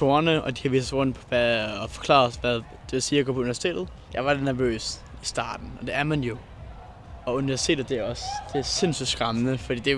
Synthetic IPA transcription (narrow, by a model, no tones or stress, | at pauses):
oɐnəɒ̽d̥i̥ɑʋḭːsʁɔ̽n̰̥pʰɒʋæɒfɒ̥̽kʰlɑ̈ːɒsʋæðˠ | d̥e̝ʋe̝lsiːɐɡɔ̰ːpʰɒuniæɐsi̥t͡sʰḛːd̥ð̩ˠ | jɑ̈ɪʋɑ̈denæɐʋø̰ːs | isd̥ɑ̰̈ːd̥n̩ɒ̽d̥e̝æɐmænjo̝ | ɒ̽uniʋæɐsi̥tʰḛːdð̩ˠd̥eæɐɒ̽sd̥e̝æɐse̝nsy̥sɡ̥ʁamənəfɒd̥ḭːd̥e